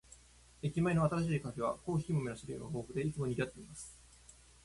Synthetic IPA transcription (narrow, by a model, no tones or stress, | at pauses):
ekʲimaino̞at̪aɾaɕiːkaɸe̞β̞a̰ko̞ːçʲi̥imo̞mʲenaɕiɾɯjo̰naɦoːɸɯ̟d̪e̞it͡sɨmo̞ɲiɡʲiat̪ːeimasɨ̥